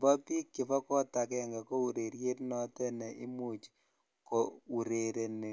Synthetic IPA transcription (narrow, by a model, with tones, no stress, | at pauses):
ba˦pi˦kːɪ˨fɔ˦kɔ˦ta˨kɛ˨ŋɡa˨ko˦u˨ɾe˨ɾje˦tnɔ˦tɛ˦nɛ˨ʔɪ˦mu˨t͡ʃ | ko˨u˨ɾe˨ɾe˨ne˨